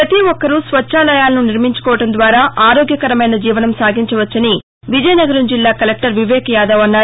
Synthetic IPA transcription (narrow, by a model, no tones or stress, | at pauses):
ɾɐt̪iʋɔkːɐɾusʋɐt͡ʃːʃaːlɐjaːlɐnuniɾmiɲt͡ʃu̥kɔːʋɐʈɐnd̪ʋaːɾaːaːɾoːɡjɐkɐɾɐmɐjnɐd͡ʒiːʋɐnɐmsaːɡiɲt͡ʃɐʋɐt͡ʃːɐni | ʋid͡ʒɐjnɐɡɐɾɐmd͡ʒilːaːkɐlek̚ʈɐɾʋiʋɛːkɐjaːd̪ɐʋɐnːaːɾ